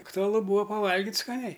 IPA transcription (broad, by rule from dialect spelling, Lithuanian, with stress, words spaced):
ɐktʊɐˈlˠʊ ˈbuːɐ pɐˈʋɐlʲɡʲɪtʲ skɐˈnʲɛɪ